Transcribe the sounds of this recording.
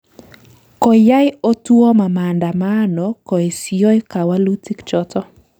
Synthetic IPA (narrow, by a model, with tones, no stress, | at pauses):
kɔ˨ja˦jo˦twɔ˦ma˨ma˨nda˨ma˦nɔ˨ko˨e˨sjo˦jka˨wa˦lu˦ti˦kt͡ʃɔ˦tɔ˦